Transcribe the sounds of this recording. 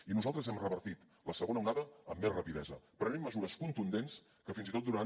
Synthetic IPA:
inuzalˠt̪ɾəzɛmrəβəɾt̪it̪ | ləsəɣ̞onəuwnaðəəmːezrəpiðɛzəpɾənemːəzuɾəskunt̪und̪ens | kəfinzit̪ot̪d̪uɾan

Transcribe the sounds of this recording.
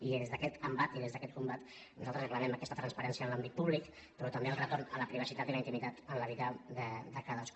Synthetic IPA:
iezðəkɛt̪əmbat̪iðezðəkɛt̪̚kumbat̪ | nuzalt̪ɾəzəkləɾɛməkɛst̪ət̪ɾənspəɾɛnsiənlambit̪̚puβlik | pɾɔt̪əmbeəlˠrət̪ornələpɾiβ̞əsit̪at̪iləint̪imit̪at̪ənləβiðad̪əd̪əkaðəsk

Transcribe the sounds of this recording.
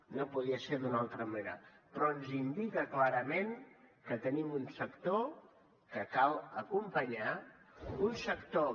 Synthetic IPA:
nopuðiəseɾd̪unalˠt̪ɾəməneɾə̰pɾɔənzind̪ikəklaɾəmeŋkət̪ənimunsəkt̪o | kəkalˠəkumpəɲa | unsəkt̪o

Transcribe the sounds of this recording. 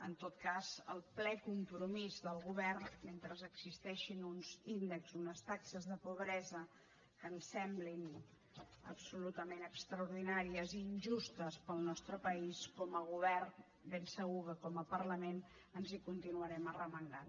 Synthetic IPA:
ənt̪ot̪̚kazəlˠplɛkumpɾumizðəlˠɣuβɛrnment̪ɾəzəɡzist̪ɛʃinunzind̪əkzunəst̪aksəzðəpuβɾɛzə | kənsɛmblin | ə̰psulut̪əmenəkst̪ɾəuɾðinaɾiəziːnʲʒust̪əspəlˠnɔst̪ɾəpəiskɔməɣ̞uβ̞ɛrn | bensəɣ̞ukəkɔməpərləmen | ənzikunt̪inuəɾɛmərəmənd̪an

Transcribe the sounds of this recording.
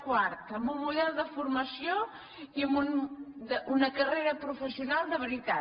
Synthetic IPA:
kwaɾt̪əmbumuʎɛðˠðəfuɾməsjo | iəmbund̪əunəkəreɾəpɾufəsiunalˠd̪əβəɾit̪a

